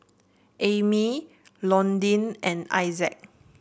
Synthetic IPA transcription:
ʔemi | lɔ̃ndĩnɛ̃na̰jzɛ̰k̚

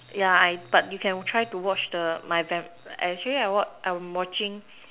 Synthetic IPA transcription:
jaajb̥at̚jukʰɛ̃ntʰɹajtuwɔt͡ʃdəmajvɛ̃mɛ̰k̚t͡ʃəliajwɔt͡ʃʔawɔ̃wɔt͡ʃɪ̃ŋ

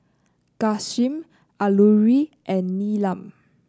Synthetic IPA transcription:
kasĩm | ʔaluɹiʔɛ̃nːilãm

